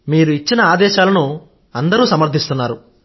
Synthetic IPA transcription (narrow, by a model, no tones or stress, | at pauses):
miːɾuit͡ʃːinɐaːd̪ɛːʃaːlɐnu | ɐnd̪ɐɾuːsɐmɐɾt̪ʰist̪unːaːɾu